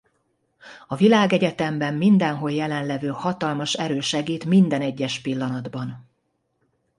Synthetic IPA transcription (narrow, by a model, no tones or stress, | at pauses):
ɒvilaːɡɛɟɛt̪ɛmbɛmːind̪ɛnɦo̞ljɛlɛnlɛvøːhɒt̪ɒlmɒʃɛɾøːʃɛɡiːt̪mind̪ɛnɛɟːɛʃpilːɒnɒd̪bɒn